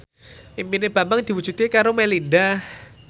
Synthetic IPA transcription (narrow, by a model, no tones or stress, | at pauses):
ʔimpineb̥a̤mbaŋd̥̪iwud̥d͡ʒ̥ut̪ikaɾomelindah